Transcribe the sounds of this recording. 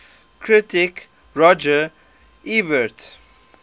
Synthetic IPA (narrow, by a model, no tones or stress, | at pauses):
kʰɹitɪk | ɹɔd͡ʒə | ibət